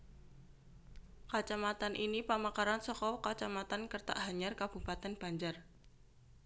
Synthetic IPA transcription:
kat͡ʃamat̪anʔinipamakaɾansɔkɔkat͡ʃamat̪ankərt̪a̰ʔɦaɲarkab̥ṳpat̪ɛnb̥a̤ɲd͡ʒar

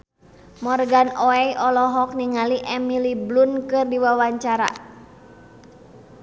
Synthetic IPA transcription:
mɔrɡanɔɛjʔɔlɔɦɔk̚niŋaliʔɛmiliblunkɨrdiwawaɲt͡ʃaɾa̰

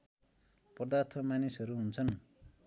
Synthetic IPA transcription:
pʌd̪art̪ʰʌmanisʌɾuɦunt͡sʰʌn

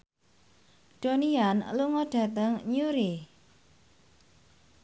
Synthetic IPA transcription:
ɖ̥o̤nianluŋɔɖ̥ä̤t̪əŋɲuɾi

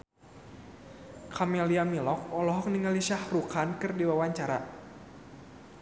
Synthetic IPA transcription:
kʰameliamilɔk̚ɔlɔɦɔk̚niŋaliʃahrukankɨrdiwawaɲt͡ʃaɾa̰

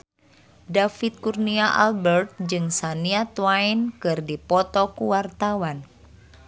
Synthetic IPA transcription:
dafit̪̚kurniaʔa̰lbɛrt̪̚d͡ʒɨŋsaniat̪wainkɨrdipɔt̪ɔkuwart̪awan

